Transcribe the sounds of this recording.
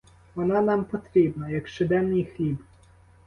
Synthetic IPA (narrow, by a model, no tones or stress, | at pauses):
ɔnanampɔt̪ɾʲɛbnajakʂɘd̪ɛmɲixlʲip